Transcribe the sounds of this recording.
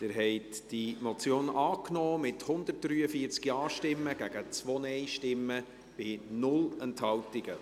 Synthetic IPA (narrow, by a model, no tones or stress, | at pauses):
d̥ɪːɾɦɛɪtd̥imot͡sjoːnɑːknɔːmɪthʊnd̪ərt̚d̥ɾyːəfiəɾt͡skiɑːʃtɪmːəɡ̥æɡ̥ət͡sʋɔnɛɪʃtɪmːə | b̥ɪnʊlɛnthɑltɪɡə